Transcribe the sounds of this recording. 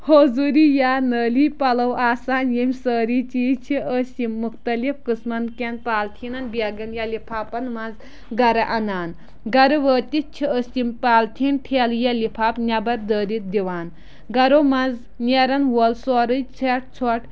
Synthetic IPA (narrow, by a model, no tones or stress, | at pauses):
hoːzuːɾijaːnəːliːpɐlɐwʔaːsaːnjimʲsəːɾit͡ʃiːt͡ʃʰiʔəsimːukt̪ɐlifkɨsmɐnkenpaːlt̪ʰinɐnbɐɡɐnjɐlipʰaːpɐnmɐnz | ɡɐɾɐʔɐnaːn | ɡɐɾɨʋəːt̪it͡ʃʰiəsimpaːlt̪ʰintʰeːljɐlipʰaːpnʲɐbɐɾd̪əːɾit̪̚d̪iʋaːn | ɡɐɾomɐnz | nʲeɾɐnwolsɔɾɨt͡sʰeʈ̚t͡sʰɔʈ